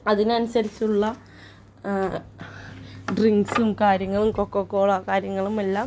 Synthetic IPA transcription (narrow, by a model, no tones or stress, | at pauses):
ɐðinɐnusɐɾit͡ɕːuɭːɐ | ɖriŋɡsumkaːɾjɐŋːɐɭumkokːokːoːɭakaːɾjɐŋːɐɭumelːaːm